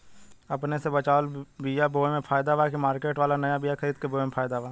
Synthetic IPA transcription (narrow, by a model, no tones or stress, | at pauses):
əpnesebət͡ʃaːlbijaboːemẽpʰaːjd̪aʋaːkimaːɾkeːʈʋaːlanəjabijakʰəɾiːd̪̚keboːemẽpʰaːjd̪aʋaː